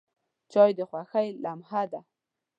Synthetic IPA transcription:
t͡ʃɑjd̪əxwaxajlamhad̪a

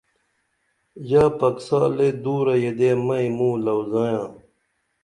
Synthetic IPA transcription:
jaːpɐksaːled̪uːɾɐjed̪eːmɐimũːlɐwzãːjãː

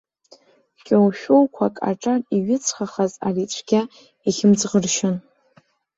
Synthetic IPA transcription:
kʲʼowʃᶣowkʷʰakʼa̰ʈ͡ʂʼariɥɪt͡sʰχaχazarit͡ɕʷʰɡ̥ʲa | iχʲɪmd͡zʁərʃɪn

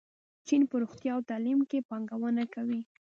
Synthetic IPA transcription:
t͡ʃinpəɾoxt̪jɑawt̪ɑlimkepɑŋɡawənakawi

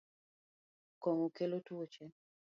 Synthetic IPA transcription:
kɔŋokelotuot͡ʃɛn

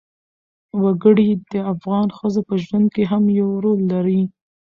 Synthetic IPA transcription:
waɡəɽid̪əafɣɑnxəzopəʒwand̪̚keɦamjawɾolːaɾi

